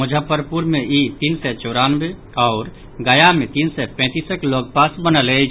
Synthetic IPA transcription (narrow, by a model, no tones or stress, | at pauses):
məd͡ʒʱəpəɾpuɾmeit̪insɛt͡ʃɔɾanbe | ɔʊɾ | ɡəjamet̪insɛpɛ̃t̪iːsəkloɡ̚pasbənəlɛ